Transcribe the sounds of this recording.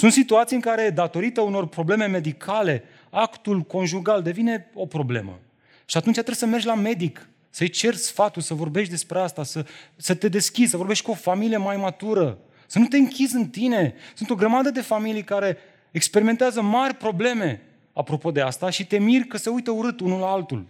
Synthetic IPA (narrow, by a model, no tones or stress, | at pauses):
sunt̪sit̪uat̪sijɨŋkaɾe̞d̪at̪o̞ɾit̪əuno̞rpɾo̞ble̞me̞me̞d̪ikʰale̞ | akt̪ulko̞nʒuɡald̪e̞vine̞o̞pɾo̞ble̞̰mə̰ | ʃiat̪unt͡ʃat̪ɾesəme̞rd͡ʒʲlame̞d̪ik | səjt͡ʃe̞rsfat̪ulsəvo̞rbeʃt̪d̪e̞spɾeast̪asəsət̪e̞d̪e̞skʲid̪səvoɾbe̞ʃt̪kuo̞familije̞majmat̪uɾə | sənut̪e̞ɨŋkʲizɨnt̪ine̞sunt̪o̞ɡɾəmad̪əd̪e̞familijkaɾe̞ː | kspe̞ɾiment̪eazəmarʲpɾo̞ble̞me̞ | apɾo̞po̞d̪e̞ast̪aʃit̪e̞mirkəse̞ujt̪əuɾɨt̪unulaalt̪ṵl